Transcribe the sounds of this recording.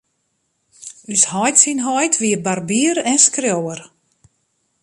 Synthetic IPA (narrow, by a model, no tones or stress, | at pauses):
yshɔjtsinɦɔjtʰʋiəbarbiəɾɛnskrjowər